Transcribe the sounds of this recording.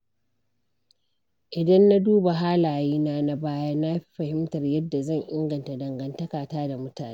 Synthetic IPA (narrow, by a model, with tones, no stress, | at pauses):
ʔɪ˨dɐ˦nːa˦duː˦ba˨ɦaː˦laː˨jiː˦naː˦na˦baː˦ja˦na˦ɸi̥˦ɸɐ˨hɪ˦mtɐ˨rjɐ˦dːa˨zɐ˦˨ŋʔɪ˦ŋɡɐ˨nta˨dɐ˨ŋɡɐ˨ntɐ˦kaː˨taː˦da˨mʊ˦taː˨neː˦